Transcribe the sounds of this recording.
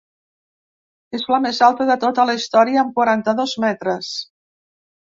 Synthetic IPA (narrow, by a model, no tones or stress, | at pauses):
ezləmezalˠt̪əðət̪ot̪ələist̪ɔɾiəːmkwaɾant̪əðozmɛt̪ɾəs